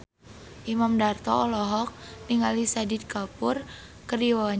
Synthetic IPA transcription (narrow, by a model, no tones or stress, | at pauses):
ʔimamdart̪ɔɔlɔɦɔk̚niŋalisadid̪̚kapur | kəɾiwaɲ